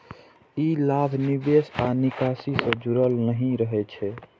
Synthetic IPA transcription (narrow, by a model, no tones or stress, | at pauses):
ilabʱnibesanikasisə̃d͡ʒuɾəlnəɦĩɾəɦɛt͡ʃʰɛ